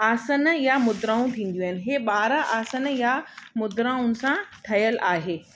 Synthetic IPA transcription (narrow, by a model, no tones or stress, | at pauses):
aːsənjamʊd̪ɾãːũt̪ʰĩːn̆d̪juaːɪnɪɦeːɓaːɾaʔaːsənjamʊd̪ɾãːʊnsãʈʰɐjəlʔaːɦeː